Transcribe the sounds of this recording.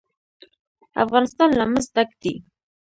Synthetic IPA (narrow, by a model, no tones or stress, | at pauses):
a̰fʁɑnɪst̪ɑnlaməsd̪akt̪i